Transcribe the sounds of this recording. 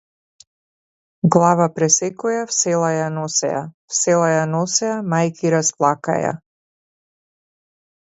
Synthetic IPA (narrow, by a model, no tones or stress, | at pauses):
ɡlˠavapɾɛsɛkɔjafsɛlˠajanɔsɛ̰afsɛlˠajanɔsɛamajkiɾasplˠaka̰ja̰